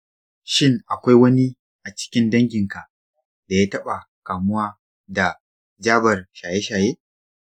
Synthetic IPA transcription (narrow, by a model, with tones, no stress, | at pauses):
ʃɪ˦ŋʔa˨kʷa˦jwɐ˦ni˦ | ʔa˨t͡ʃɪ̥˦kʲɪ˦ndɐ˦ŋɡʲɪ˨ŋka˨ʔ | da˨jaː˦tɐ˦ɓa˨ | kaː˨mʊ˦waː˦ | da˨ | d͡ʒaː˦bɐ˨rʃaː˨je˦ʃaː˨jeː˦